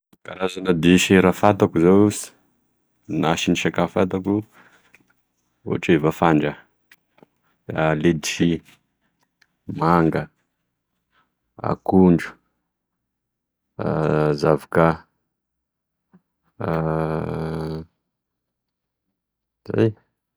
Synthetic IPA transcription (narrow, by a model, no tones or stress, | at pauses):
kaɾazanad̪iʃeɾafat̪akuzaws | naʃiniʃakafat̪̬aku | ṵaʈ͡ʂevafaɳɖ͡ʐə | aled̪iʃi | maŋɡə | a̰kuɳɖ͡ʐu̥ | zavakə | za̰j